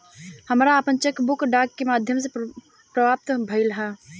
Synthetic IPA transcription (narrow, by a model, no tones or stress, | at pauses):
həmɾaːpənt͡ʃekbʊkɖaːkːemaːd̪ʱjəmse | pɾəbʱaːp̚t̪bʱəɪlɦɛ